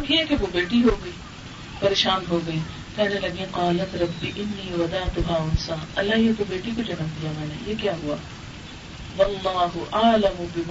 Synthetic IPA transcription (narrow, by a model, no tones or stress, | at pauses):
ɐbɦiɛkeʋobeːʈiɦoːɡɐiː | pɐɾeːʃaːnɦoːɡɐiː | kɛːnelɐɡẽqɑːlɐt̪ɾɐbːiʔɪnːiːwɐd̪aːt̪ʊɦaːʊnsaːnɐlːaiet̪obeːʈikod͡ʒɐmənd̪ijamɛ̃ːnḛjekjaːɦua | wɐlːaːɦʊʔaːlɐmʊbɪm